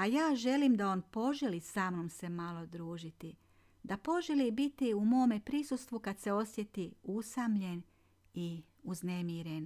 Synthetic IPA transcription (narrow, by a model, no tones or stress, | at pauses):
ajaːʒe̞limd̪ao̞ːnpo̞ʒelisaːmno̞mse̞malod̪ɾuːʒit̪i | d̪apo̞ʒelibit̪iumo̞ːme̞pɾisust̪ʋukad̪se̞o̞sje̞t̪iusamʎe̞n | i | uznemiːɾen